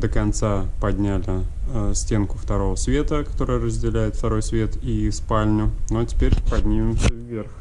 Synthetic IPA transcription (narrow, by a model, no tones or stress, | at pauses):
d̪əkɐnt̪sapɐdʲnʲælʲɪsʲtʲenkʊft̪ɐɾo̞vəsvʲe̞t̪əkɐ̥t̪o̞ɾəjəɾəzʲdʲɪlʲæjɪt̪ft̪ɐɾo̞jsvʲe̞t̪ispalʲnʲʊnotʲɪ̥pʲeɾʲpɐdʲnʲimʲɪmsʲəvːe̞rx